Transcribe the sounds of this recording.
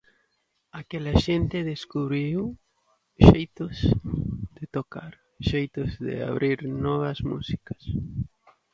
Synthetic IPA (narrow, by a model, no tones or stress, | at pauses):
akɛlaʃent̪ɪðeskuβɾiw | ʃejt̪ʊz | d̪ɪt̪okaɾ | ʃejt̪ʊzðɪ̰a̰βɾiɾnɔβ̞ɐsmṵsikɐ̥s